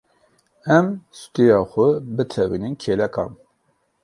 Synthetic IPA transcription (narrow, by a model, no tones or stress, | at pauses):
ɛmst̪ijɑːxʷʊbɨt̪ʰɛwḭninkʰeːlɛkɑ̰ːn